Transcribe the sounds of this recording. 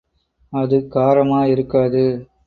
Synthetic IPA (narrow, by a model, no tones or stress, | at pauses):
ɐðɯkaːɾɐmaːɪɾɯkːaːðɯ